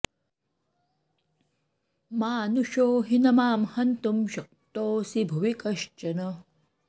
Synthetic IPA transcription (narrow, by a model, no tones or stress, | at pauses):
maːnuʃoːɦinɐmaːmhɐnt̪umɕɐk̚t̪oːsibʱuʋikɐʃt͡ʃɐnɐ